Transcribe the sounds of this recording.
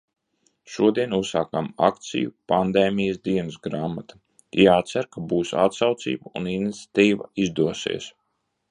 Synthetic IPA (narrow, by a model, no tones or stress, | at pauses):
ʃuɔd̪iɛnussaːkama̰kt̪sḭjṵpand̪eːmijasd̪iɛnsɡɾaːmat̪ḁ | jaːt̪sæɾkabuːsa̰t̪sawt̪sḭːbauninit̪sʲḁt̪iːva̰izd̪uɔsḭːs